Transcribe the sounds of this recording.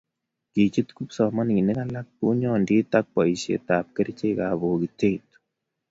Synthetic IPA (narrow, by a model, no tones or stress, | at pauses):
kit͡ʃit̪kupsɔmankinekalak̚puɲɔndiːt̪ak̚pɔisḛt̪ap̚keɾt͡ʃekaβokitet̪